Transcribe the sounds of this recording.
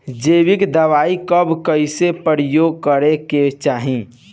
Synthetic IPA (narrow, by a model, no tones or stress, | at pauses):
d͡ʒeːʋɪkd̪əʋaːikəbkəɪsepɾəɾjoːɡ̚kəɾeket͡ʃaːɦĩ